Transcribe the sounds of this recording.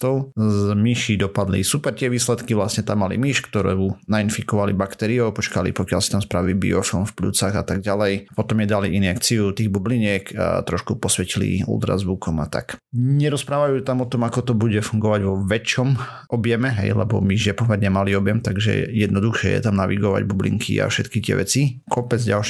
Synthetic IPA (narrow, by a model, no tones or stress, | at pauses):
t̪ɔʊzmiʃid̪ɔpad̪lḭsupɛɾt̪ɪɛʋiːslɛt̪kiʋlasɲɛt̪amːalḭmiʃkt̪ɔɾɛunainfikɔʋalḭbakt̪ɛɾiɔʊpɔt͡ʃkalḭpɔkɪjalsi̥t̪amspɾaʋibḭɔfɔnfplṵt͡saɣat̪aɡ̚ɟalɛjpɔt̪ɔmjɛd̪aliinɛkt͡siut̪iːɣbubliɲɛkʰa̰t̪ɾɔʃkupɔsʋɛcilḭṵlt̪ɾa̰zbukɔmat̪a̰kɲɛɾɔspɾaːʋajuːt̪amɔt̪ɔmakɔt̪ɔbuɟɛfuŋɡɔʋaɟʋɔʋɛt͡ʃɔm | ɔbjɛmɛɦɛ̰jlɛ̰bɔ̰miʒjɛpɔmɛɾɲɛmaliɔbjɛmt̪aɡʒɛ̰jɛd̪̚nɔd̪uxʃɪɛ̰jɛ̰t̪amnaʋiɡɔʋa̰ɟbublḭŋkʰḭa̰fʃɛt̪kit̪ɪɛ̰ʋɛt͡sikʰɔpɛd͡zɟalʃ